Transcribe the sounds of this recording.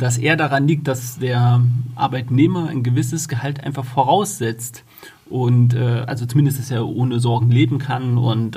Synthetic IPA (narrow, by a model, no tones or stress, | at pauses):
d̥asʔḛːɐdaʁ̞anliːk̚t̚d̥asd̥eːɐʔa̰ɐbaɪtneːmɐaɪnɡəvɪsəsɡ̥əɦaltʔa̰ɪnfaχfoːʁ̞aʊsz̥ɛt͡st | ʔʊntʔɛːʔa̰lzot͡sumɪndəstd̥aseːɐʔoːnəzɔɐɡŋ̩leːbm̩kʰanʊ̰nt